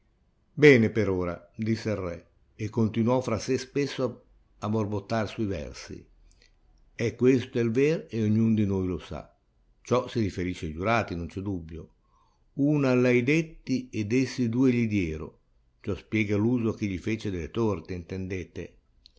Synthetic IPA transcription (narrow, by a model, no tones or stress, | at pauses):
bɛːnepeɾoːɾa̰d̪isːearrːɛ | ekːont̪inuɔfɾasːespesːoa | aborbot̪ːarsuivɛ̰rsḭ | ɛkːwest̪oɛlveɾeoɲːund̪inojlosa̰ | t͡ʃɔsiɾifeɾiʃed͡ʒuɾaːt̪inont͡ʃɛd̪ubːjo | uːnaːlːɛjd̪et̪ːied̪esːid̪uːeʎid̪jɛːɾo̰ | t͡ʃɔspjɛːɡaluːzok̟iʎifeːt͡ʃed̪elet̪ort̪eint̪end̪eːt̪e